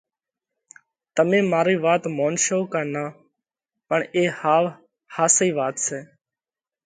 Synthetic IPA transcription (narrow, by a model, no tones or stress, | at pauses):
t̪əmẽːmaːɾiːʋaːt̪moːnʃoːkaːnaː | pəɳeːhaː | haːsiːʋaːt̪sɛː